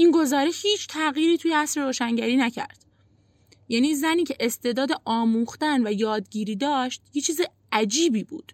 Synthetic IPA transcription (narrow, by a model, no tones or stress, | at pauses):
ʔinɡo̞zɒːɾeʃhiːt͡ʃʰt̪ʰæɣiːɾiːt̪ʰujeæsɾeɾoːʃæŋɟæɾiːnæcʰæ̰ɾd̪̥ | jæːniːzæniːcʰe̞ʔest̪e̞ːd̪ɒːd̪eʔɒːmuːxt̪ænvæjɒːd̪ɟiːɾiːd̪ɒːʃt̪jet͡ʃʰiːze | æd͡ʒiːbiːbṵːd̪̥